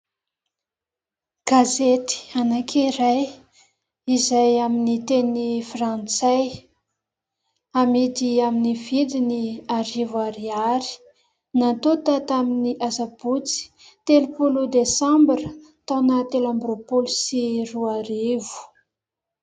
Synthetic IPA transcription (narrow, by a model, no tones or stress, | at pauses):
ɡ̥azet̪i̥anakʰiɾaj | izajaminit̪enifrant͡saj | amit̪iaminivid̪iniaɾivwaɾiaɾi̥ | nat̪ot̪at̪aminiʔazabut͡si̥ | t̪elupulud̪esambɾə | t̪anət̪elambɾopulusiruaɾivu̥